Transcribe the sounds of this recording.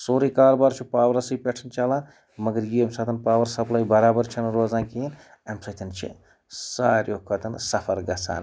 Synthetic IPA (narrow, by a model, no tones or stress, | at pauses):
soːɾikaːɾbaːɾt͡ʃʰupaːwɐɾɐsɨjpʲeʈʰɐnt͡ʃaːlãː | mɐɡəɾjiemsaːt̪ʰɐnpaːwɐɾsɐplaːjbɐɾaːbɐɾt͡ʃʰinɾoːzãːkin | ɐmsɐt̪ʰʲɐnt͡ʃʰḭ | saːɾʲjoːkʰɐt̪ʰɐnsɐpʰɐɾɡɐt͡sʰa̰ːn